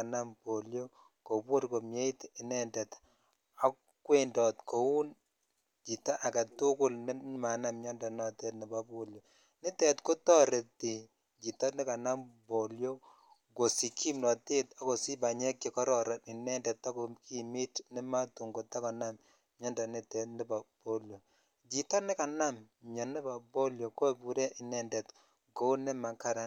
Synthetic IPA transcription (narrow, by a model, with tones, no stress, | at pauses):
a˨na˦mbo˨ljo˦ | ko˨bo˦ɾko˨mje˦i˦tɪ˨nɛ˦ndɛ˨t | a˦ | kwe˦ndɔ˨tko˨u˦n | t͡ʃi˨ta˦ʔa˨ka˨tʊ˦kʊ˦lnɪ˦ma˨na˦mɲɔ˦ndɔ˨nɔ˨tɛ˦tnɪ˨ba˦bo˨ljo˨ | nɪ˦tɛ˨tko˦tɔ˦ɾe˨ti˨ | d͡ʒi˨tɔ˦tnɪ˦ka˨na˦mbo˨ljo˦ | ɡo˨si˨kʰi˦mnɔ˨te˦ta˦ko˨si˦ba˨ɲɛ˦kji˨kɔ˦ɾɔ˨ɾa˨ni˨nɛ˦ndɛ˨ta˦ko˨ki˦mi˦tnɪ˦ma˦tu˨ŋɡo˨ta˦ka˨na˦m | ɲɔ˦nda˨nɪ˦tɛ˨tnɪ˦ba˨b̥o˦ljo˨ | d͡ʒi˨tɔ˦nɪ˦ka˨na˦m | ɲɔ˨nɪ˦ba˨bo˦ljo˨ko˦˨bu˨ɾɛ˦ʔi˨nɛ˨ndɛ˨t | ko˦nɪ˦ma˨ka˨ɾa˦n